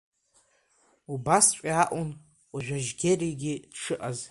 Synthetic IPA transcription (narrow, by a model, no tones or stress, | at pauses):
ubast͡ʃʷʼiaʔʼʊn | aʒᶣʷaʒɡʲeriɡʲidʂʰɨʔaz